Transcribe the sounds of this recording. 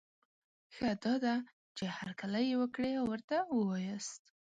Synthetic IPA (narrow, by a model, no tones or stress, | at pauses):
xad̪ɑd̪a | t͡ʃehaɾkaləjewəkɽeawwəɾt̪awəwɑjəst̪